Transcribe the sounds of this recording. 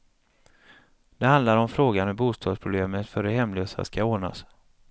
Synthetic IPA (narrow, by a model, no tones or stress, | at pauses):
d̪̥ɛhand̪laɾɔmfɾoːɡanhɵbuːst̪ʰɑːd̪spʰɾʊbleːmət̪fœɾɛɦɛmløːsa̰skaoːɳa̰s